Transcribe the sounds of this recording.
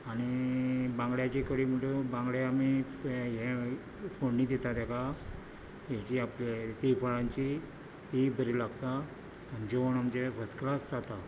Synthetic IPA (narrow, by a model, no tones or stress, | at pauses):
aɽ̃ibãŋɡɭjat͡ɕikəɽiːm̤əʈubãŋɡɭeami | ɦɛ̃ | foɳniːd̪ɛt̪at̪ɛka | ɦɛt͡ɕiaplet̪ifaɭãɲt͡ɕi | t̪ibʱəɾilaɡt̪aː | nd͡ʑoʋəɳamt͡ɕefəsklasd͡zat̪a